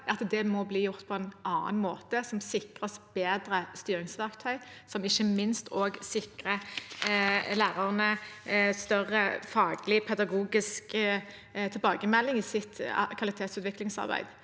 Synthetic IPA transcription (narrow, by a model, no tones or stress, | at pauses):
ɑt̪d̪ɛmɔbliːjʊʁt̪pʰɔɛnʔɑːə̰nmoːt̪əsɔmsɪkʁəsb̥eːd̪ɾəst̪yːɾɪŋsʋækt̪ʰœʏ | sɔmɪçːəmɪnst̪ʰoːɡsɪkʁə | læːʁɑʁnəst̪œʁəfɑːɡlɪpʰɛd̪ɑɡuːɡɪsk | t̪ʰɪlbɑːɡəmɛlːɪŋiːsɪt̪kʰʋɑlɪt̪ʰeːt̪sʉːt̪ʋɪklɪŋsɑ̰ʁbæ̰ɪd̪